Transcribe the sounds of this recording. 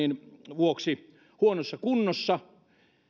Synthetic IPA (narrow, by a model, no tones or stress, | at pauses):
inʋuoksi | huonosːɑkunːosːɑ